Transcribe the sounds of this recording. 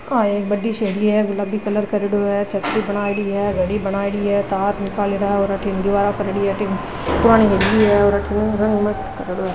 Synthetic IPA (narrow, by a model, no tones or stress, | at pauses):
aːeːk̚bɐɖːiʃeɦliɦɛlɐbʱikɐləɾkɐɾɪɽoɦɛt͡ʃʰɐt̪ɾibɐɽ̃aːɽiɦɛɡʱɐɽibɐnaːeɽiɦɛt̪aːɾnɪkaːleɾaɦɔːɾɐʈʰend̪ɪʋaːɾakɐɾeɽiɦɛʈɪk | pʊɾaːneɦeliɦɛɔːɾɐʈʰɪnɾɐ̃ŋɡmɐst̪kɐɾeɽoɦɛ